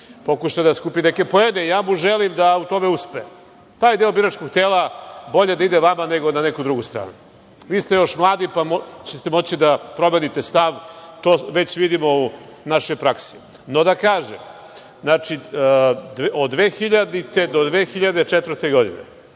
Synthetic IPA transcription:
po̞kuʃajd̪askuːpineke̞poed̪eijaːmuʒelimd̪aut̪o̞meuspeem | t̪aːjd̪eobiɾat͡ʃkoɡt̪eːlˠabo̞ʎe̞d̪aid̪eʋamane̞ɡo̞nanekud̪ɾuɡust̪ɾa̰ːnu | ʋiːst̪ejo̞ʃmlˠaːd̪ipamot͡ɕet̪emo̞t͡ɕid̪apɾo̞menit̪est̪aʋt̪oːʋe̞t͡ɕʋid̪imo̞unaʃo̞jpɾaksi̥ | no̞d̪akaːʒḛm | znat͡ʃi | d̪od̪ʋeːxiʎad̪it̪e̞d̪od̪ʋeːxiʎad̪e̞t͡ʃet̪vɾ̩t̪eɡo̞d̪ḭnḛ

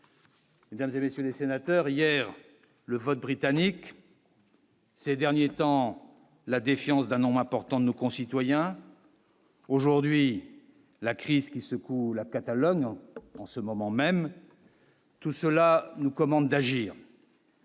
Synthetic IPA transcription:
med̪amzemesjølesenat̪œʁijɛʁ | ləvɔt̪̚bʁit̪anik | sed̪ɛʁnjet̪ɑ̃ | lad̪efjɑ̃sd̪ɛ̃nɔ̃bʁɛ̃pɔʁt̪ɑ̃d̪ənokɔ̃sit̪wajɛ̃ | oʒuʁd̪ɥi | lakχizkʲisəkulakat̪alɔɲɑ̃səmɔmɑ̃mɛm | t̪usəlanukɔmɑ̃d̪d̪aʒiːʁ

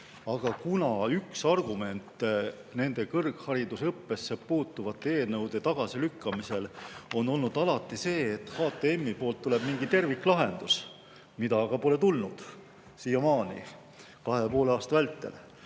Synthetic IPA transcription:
ɑɡ̥ɑkunɑyksɑrɡ̥ume̞nt̪ːˑ | ne̞nd̪e̞kɤrɡ̥hɑɾid̪usɤpːe̞sːepuːt̪ːˑuvɑt̪ːˑeeːlnɤwd̪̥e̞t̪ɑɡ̥ɑsilykːɑmise̞lo̞no̞lnud̪̥ɑlɑt̪ːˑise̞ːt̪ːˑhɑːt̪ːˑeemːipo̞ːlt̪ːule̞b̥miŋɡ̥it̪e̞rvikːˑlɑɦe̞nd̪̥us | mid̪ɑɡ̥ɑpo̞le̞t̪ulnud̪̥ | siːjɑmɑːnḭ | kɑhe̞po̞ːlɑːst̪ɑvælt̪ːˑe̞̰l

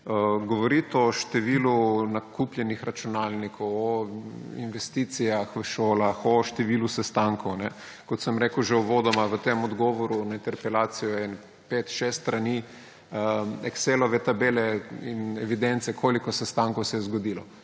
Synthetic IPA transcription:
əɡoʋɔɾit̪ɔʃt̪ɛʋiːlunakʰupljɛnixɾat͡ʃunaːlnikʰɔwɔḭnʋɛst̪iːt̪sijaxʋəʃoːlaxɔʃt̪ɛʋilusɛst̪aŋkɔwnɛ | kɔt̪səmɾekwʒɛuʋod̪ɔmaʋət̪emɔd̪ɡɔʋɔɾunaint̪ɛɾpɛlaːt̪sijɔɛn | pet̪ʃest̪t̪ɾani | ɛkselɔʋɛt̪abeːlɛinɛʋid̪ɛnt̪sɛkʰoːlikɔsɛst̪aŋkowsɛjɛzɡod̪ilɔ

